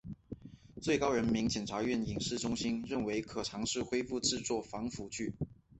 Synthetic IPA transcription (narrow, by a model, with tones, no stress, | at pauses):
t͡swe˥˩ɪkɑ˥ʊɻə˧˥nmi˧˥ŋt͡ɕjɛ˨˩nʈ͡ʂʰa˧˥ɥɛ˥˩ni˨˩ŋʂɻ̩˥˩ʈ͡ʂʊ˥ŋɕi˥nɻə˥˩nwe˧˥ɪkʰɤ˨˩ʈ͡ʂʰɑ˧˥ŋʂɻ̩˥˩xwe˥ɪfu˥˧ʈ͡ʂɻ̩˥˧t͡swɔ˥˩fɑ˧˥ŋfu˧˥t͡ɕʰy˥˩